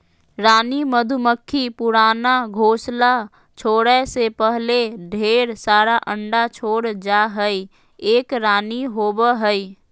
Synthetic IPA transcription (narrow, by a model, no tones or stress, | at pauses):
ɾaːniməd̪ʱʊməkʰːipʊɾaːnaɡʱoːsla | t͡ʃʰoːɽəsepəɦleɖʱeːɾsaːɾaʔə̃ɳɖat͡ʃʰoːɽd͡ʒaɦəi | eːkɾaːniɦoːbəɦəi